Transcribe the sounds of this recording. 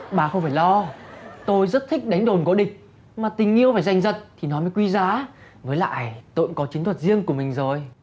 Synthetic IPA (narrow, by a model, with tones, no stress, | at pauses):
ɓaː˨˩xə˧wŋ͡mfaː˧˩jlɔ˧t̪o˧jzə˦˥t̚t̪ʰi˦˥k̟̚ɗa˨˦ŋ̟ɗo˨˩nko˨˦ɗï˨˩k̟̚ | maː˨˩t̪ï˨˩ŋ̟ʔi˧əwfaː˧˩jza˧˩jŋ̟zə˨˩t̚t̪ʰi˨˩nɔ˨˦jməː˨˦jkwi˧zaː˨˦ | ŋəː˨˦jla̰ː˧˨jt̪ə̰˧˨ŋkɔ˨˦t͡ɕi˨˦t̪ʰə˨˩t̚zi˧əŋku˧˩əmï˨˩ŋ̟zo˨˩j